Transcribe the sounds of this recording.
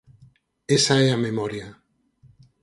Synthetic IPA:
esaeamemoɾja

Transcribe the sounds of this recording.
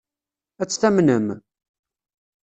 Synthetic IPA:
æt͡sːθæmnəm

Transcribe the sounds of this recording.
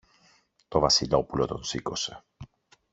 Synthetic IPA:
t̪ovɐsilopulot̪onsiko̞se

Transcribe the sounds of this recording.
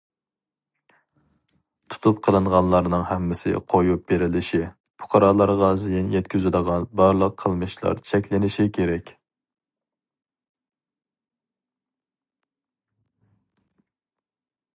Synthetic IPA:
t̪ʰu̥t̪ʰup̚qʰəlˠɨɴʁɑnlˠɑɾnɨŋhɛmːɪsɪ̰qʰojup̚b̥eɾɪlɪʃi | pʰʊ̥qʰɑɾɑːlˠɑɾʁɑzijinjɛt̪kʲʰyzɪd̪əʁɑnbɑɾlˠəqʰːəlˠmɨʃlˠɑ̰ɾt͡ʃʰɛkʲlɪnɪʃikʲʰeɾɛkʲ

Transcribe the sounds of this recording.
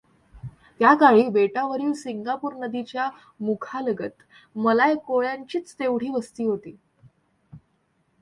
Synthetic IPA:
t̪jakaɭiːbeʈaʋəɾiːlsiŋɡapuːɾnəd̪it͡ɕja | mukʰaləɡət̪ | məlajkoɭjaɲt͡ɕiːt͡st̪eʋɽ̤iːʋəst̪iːɦot̪iː

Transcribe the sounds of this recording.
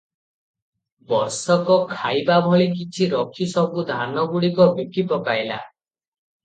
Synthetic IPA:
bɔɾsɔkɔkʰajbabʱɔɭikit͡ʃʰiɾɔkʰisɔbud̪ʱanɔɡuɽikɔbikipɔkajla̰

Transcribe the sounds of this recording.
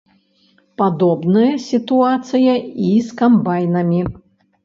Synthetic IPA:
pad̪ɔbnɨjɐsʲit̪uat̪sɨjɐiskambajnɐmʲi

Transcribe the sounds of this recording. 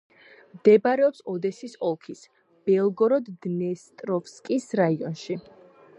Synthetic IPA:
md̪̥ɛbaɾɛɔpsɔd̪ɛsisɔlˠkʰis | b̥ɛlˠɡɔɾɔd̪ːnɛst̪ʼɾɔfskʼisɾaiɔnʃi

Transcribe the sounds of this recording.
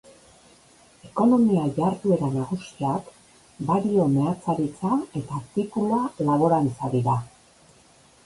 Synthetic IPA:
e̞ko̞no̞miaʝaɾt̪ue̞ɾanaɣ̞usiak | baɾio̞me̞at͡saɾit͡sae̞t̪at̪ikulalaβo̞ɾant͡saðiɾa

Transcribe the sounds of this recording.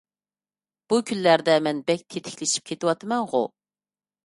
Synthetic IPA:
b̥ukʲʰynlæɾd̪ɛmɛnbɛk̚ʲt̪ʰet̪ʰɪ̥kʲlɪʃi̥p̚kʲʰet̪ɪwɑt̪ʰɨmɛŋʁʊ̰

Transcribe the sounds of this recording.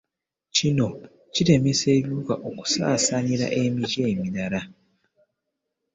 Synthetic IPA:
cino̞ | cite̞mese̞ːβjukaʔoku̥sa̰ːsaɲiɾa̰ʔe̞miɟe̞ːmiɾaɾa

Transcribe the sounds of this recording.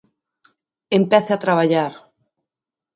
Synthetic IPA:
empɛθeat̪ɾaβaʎaɾ

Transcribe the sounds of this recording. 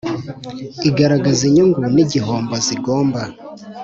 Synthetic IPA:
iɡaɾaɡaziɲuŋɡuniɟiɦoːmboziɡoːmba

